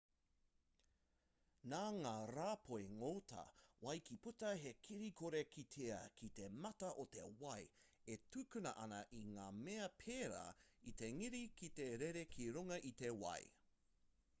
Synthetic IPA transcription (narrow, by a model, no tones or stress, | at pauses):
naːŋaːɾaːpʰoeŋoːtʰɐ̰wɐjkiputɐɦekʰiɾikʰoɾekit̪ʰeɐkʰit̪emɐtɐʔot̪ḛwɐj | etʉkʉnɐʔɐnɐʔiŋaːmeɐpʰeːɾa̰ːit̪eŋiɾikit̪eɾeɾekʰiɾuŋɐʔit̪ewɐ̰j